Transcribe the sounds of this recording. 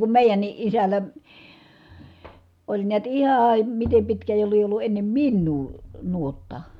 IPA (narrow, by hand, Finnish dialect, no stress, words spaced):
kum meˑijænːi ʔisælˑæ olʲ niæt ihɑːɑ mitem pitkæː jo lie olːu enːem minːuː nuotːɑ